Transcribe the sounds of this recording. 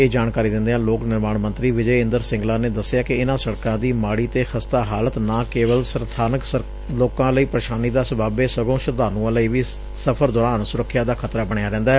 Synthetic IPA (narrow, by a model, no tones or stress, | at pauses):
eːd͡ʒaːɳkaːɾiːd̪ɪ̃nd̪eːãːloːknɪɾmaːɳmənt̪ɾiːʋɪd͡ʒəːɪ̃nd̪əɾsɪ̃ŋɡlaːneːd̪əsːɪjaːkɪɪnãːsəɽkãːd̪iːmaːɽiːt̪eːxʰəst̪aːɦaːlət̪nãːkeːʋəlsəɾt̪ʰaːnəksə | loːkãːləiːpɾəʃaːniːd̪aːsəbaːbeːsəɡõːʃəɾd̪aːnũːãːləiːʋiː | səpʰəɾd̪ɔːɾaːnsʊɾəkʰːjaːd̪aːkʰət̪ɾaːbəɳ̃ejaːɾɛ̃ːnd̪aːɛ